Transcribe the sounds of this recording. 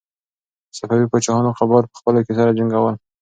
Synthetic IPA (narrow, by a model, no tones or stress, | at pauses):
safawipət͡ʃɑhɑnoqabɑɾpə̥xpəlokesaɾad͡ʒaŋɡawəl